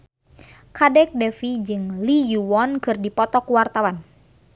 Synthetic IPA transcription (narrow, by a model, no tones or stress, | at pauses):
kadɛk̚dɛfid͡ʒɨŋlijuwɔnkɨrdipɔt̪ɔkuwart̪awan